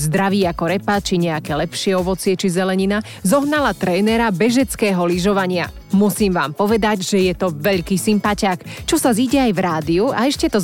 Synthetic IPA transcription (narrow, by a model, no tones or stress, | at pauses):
zd̪ɾaʋiːakɔɾɛpat͡ʃiɲɛakɛːlɛpʃɪɛɔʋɔt͡sɪɛt͡ʃizɛlɛɲina | zɔɦnalat̪ɾɛːnɛɾabɛʒɛt͡skɛːɦɔliʒɔʋaɲɪa | musiːmʋa̰ːmpɔʋɛd̪aɟʒ̥ɛjɛt̪ɔʋɛʎkiːsimpacakt͡ʃɔsaziːɟɛajvɾaːd̪iuaɛʃcɛt̪ɔ